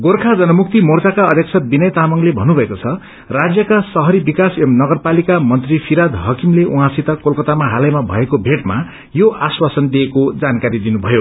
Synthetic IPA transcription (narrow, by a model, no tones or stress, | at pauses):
ɡorkʰad͡zʌnʌmuk̚t̪imort͡sakaʌd̪ʱjʌk̚sʰʌbinʌjt̪amʌŋlebʱʌnːubʱʌekot͡sʰʌ | rad͡zjʌkasʌɦʌɾibikasʌmnʌɡʌrpalikamʌnt̪ripʰiɾad̪ɦʌkimleʔũɦãsit̪ʌkolkʌt̪amaɦalʌjmabʱʌ̰ekobʱeʈma̰ | joʔaswasʌnd̪iekod͡zankaɾid̪inubʱʌjo